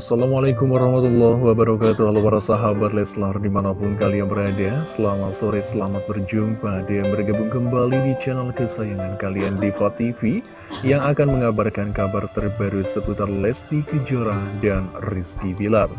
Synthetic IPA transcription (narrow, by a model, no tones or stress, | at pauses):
asalamalakʊmwaɾɑhmat̪ulːɔhwabəɾakat̪uhalapaɾasaɦabat̪lɛslardimanapʊnkalianbəɾadasəlamat̪soɾɛsəlamat̪̚bərd͡ʒumpadajanməɾɡabʊŋkəmbalidit͡ʃɛnalkəsajaŋankaliandifat̪ifi | jaŋakanməŋabarkankabart̪ərbaɾusəput̪arlɛsd̪ikəd͡ʒoɾadanriskibilar